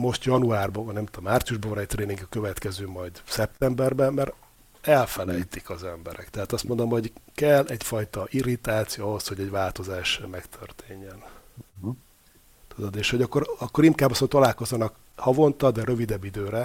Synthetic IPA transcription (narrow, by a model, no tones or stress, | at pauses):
mo̞ʃt̪jɒnuaːrbɒvnɛmt̪oomːaːrt̪sijuʒbɒvɒnɛc̚t̪reːniŋɡkøvɛt̪kɛzøːmɒjd̪sɛpt̪ɛmbɛrbɛmɛɾ | ɛlfɛlɛjt̪ikɒzɛmbɛɾɛkt̪ɛɦaːt̪ɒst̪mo̞nd̪o̞mho̞ɟkɛlːɛɟfɒjt̪ɒʔiɾit̪aːt̪sijoɒɦo̞shoɟɛɟvaːlt̪o̞zaːʃmɛkt̪ʰørt̪ʰeːɲːɛn | t̪ud̪od̪eːʃhoɟɒkːoɾɒkːo̞ɾimkaːbːɒsot̪ɒlaːlko̞zːɒnɒk | hɒvo̞nt̪ɒd̪ɛɾøvid̪ɛbːid̪øːɾɛ